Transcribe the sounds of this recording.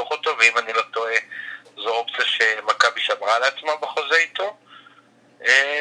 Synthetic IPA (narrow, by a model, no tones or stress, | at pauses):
uχot̪o̞veimanilo̞t̪o̞e | zoopt͡siaʃe̞makabiʃamʁaleat͡smabeχo̞zeit̪o̞ | e